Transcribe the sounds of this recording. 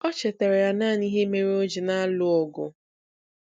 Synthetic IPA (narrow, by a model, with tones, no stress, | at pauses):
ɔ˦t͡ʃe˨te˨ɾe˨ja˦na˦˨ni˦ɦe˦me˦ɾe˦o˦d͡ʒi˨na˦a˦lʊ˦ɔ˨ɡʊ̰˨